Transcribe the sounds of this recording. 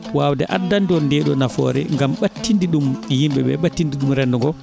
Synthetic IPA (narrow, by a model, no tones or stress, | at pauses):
wawdɛ̰ʔadːandiɔndɛːɗɔnafɔ̰ːɾɛ̰ŋɡamɓatːindiɗumjimɓɛɓɛ̰ɓatːindiɗumɾɛndɔŋɡɔ